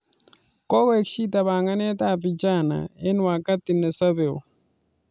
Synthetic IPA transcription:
kɔ˦kɔ˦e˨kʃi˦ta˨βa˨ŋa˦nɛ˦ta˦˨pi˨t͡ʃa˦˨na̰˨e˦n˦wa˨ka˦ti˨nɛ˨sa˦βe˨o̰˨

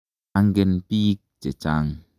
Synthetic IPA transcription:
a˦ŋ˦ɡe˦npi˦k̚t͡ʃe˨t͡ʃaː˦ŋ

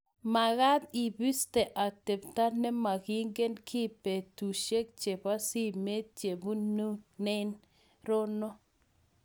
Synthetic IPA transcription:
ma˨ɣa˦t̪i˨bi˦ste˨ʔa˨t̪e˨pta˦nɛ˦ma˨ɣi˦ŋɡe˦nkʰi˦pe˨t̪u˨ʃe˦k̚t͡ʃe˨pa˦si˦me˦t̪̚t͡ʃe˨bu˦nu˦ne˦n | ɾo˦no˦

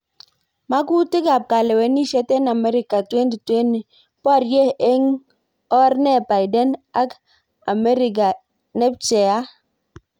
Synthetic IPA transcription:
ma˦ku˦tɪ˦ɡa˨p̚ka˨lɛ˨wɛ˨ni˦ʃɛ˦tɛ˦na˨mɛ˦ɾɪ˨ka˨twe˦ndi˨twe˦n˨ | pa˦˨ɾje˦e˦ŋ | ɔ˦ɾnɛ˦ba˨jdɛ˦na˦k | a˨mɛ˦ɾɪ˨ɡa˨ | nɛ˦p̚t͡ʃɛ˨a˦

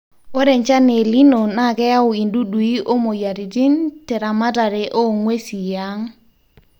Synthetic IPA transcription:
o˦ɾɛ˨ɲt͡ʃa˦ne˨li˦no˨na˦˨kɛ˦a˦ʊ˨i˨ndu˦dwi˦ʔo˦mo˨ja˨ɾi˨ti˦ntɛ˨ɾa˨ma˦ta˨ɾe˨ʔo˦ŋwe˦si˨ja˦ŋ

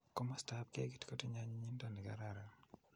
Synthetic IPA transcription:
ko˦ma˦sta˦p̚kɪ˦ḛ˦ɡi˦tko˦ti˦ɲa˦ɲi˦ɲi˦nda˦ni˨ka̰˦ɾa˨ɾa˨

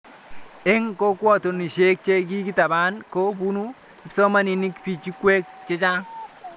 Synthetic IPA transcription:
e˦ŋko˦kwɔ˦˨to˨ni˨ʃe˦k̚t͡ʃe˦ɡi˦ɡi˦ta˨ba˦nko˦bu˦nu˦ | i˨pso˦ma˦ni˨ni˦kpi˨t͡ʃi˦kwe˦k̚t͡ʃe˦t͡ʃa˦

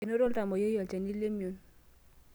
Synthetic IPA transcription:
e˨no˦dɔ˦lta˨mɔ˨jo˦jɔ˨lt͡ʃa˨ni˦le˦mjo˨n

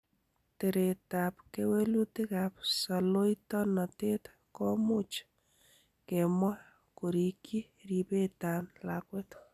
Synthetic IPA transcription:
te˨ɾe˨ta˨p̚ke˦we˦lu˦tɪ˦kap̚sa˨lo˦jtɔ˦nɔ˨te˦t | kɔ˦mʊ˦t͡ʃ | ke˨mwɔ˦ | ko˨ɾi˨ki˦ | ɾipe˦ta˨nlakwe˦t

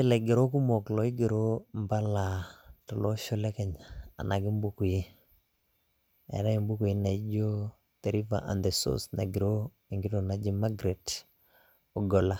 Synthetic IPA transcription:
ɪ˦lɛ˨ɡɪ˨ɾo˦ku˦mo˨klɔ˨ɪ˦ɡɪ˨ɾo˦mba˦la˨tɔ˨lɔ˦ʃo˦lɛ˦kɛ˦ɲa̰ː˨na˨ɡɪ˦m˦bu˦ku˨je˦ | ɛ̰˨ɾa˦i˨mbu˦ku˨je˦na˨i˦d͡ʒo˦ | d̪̥ɛ˨ɾi˦va̰˨ʔa̰˨nd̪e˨so̰˦sna̰˨ɡi˨ɾo˦ | i˨ŋɡɪ˦to˨na˨d͡ʒi˦ma˦ɡɾe˨t | o˨ɡɔ˨la˦

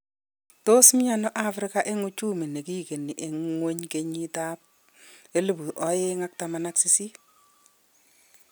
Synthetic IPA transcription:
to˦sm˦ɲa˦nɔ˦ʔa˦fɾɪ˦ka˦ʔe˦ŋu˦t͡ʃu˦mi˨ne˨ki˦ke˨ni˨ʔe˨ŋwo˦ɲke˦ɲi˦ta˦p̚ | e˦lu˦˨bu˨ʔɔ˨˦jɪ˦ŋa˦k̚ta˨ma˨na˦ksi˦si˦

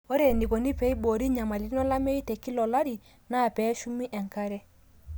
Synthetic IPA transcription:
o˦ɾe˨ni˨ko˨ni˦pɛ˨˦i˦ɓo˨ɾi˦ɲa˨ma˨li˨˦nɔ˦la˦me˦i˦tɛ˨ki˦lɔ˨la˦ɾi˨ | na˦˨pɛ˨˦ʃu˦mi˦ʔɛ˨ŋka˦ɾɛ˦

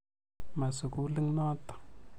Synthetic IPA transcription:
ma˨su˨ku˦li˦ŋnɔ˦t̪o̥˨

